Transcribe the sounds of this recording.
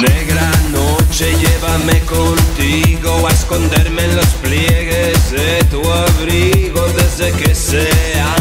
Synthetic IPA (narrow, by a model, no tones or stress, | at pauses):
neɡɾanot͡ʃejevamekont̪iɣowaeskond̪eɾmenlospljeɣezet̪uaβɾiɣoðezd̪ekesea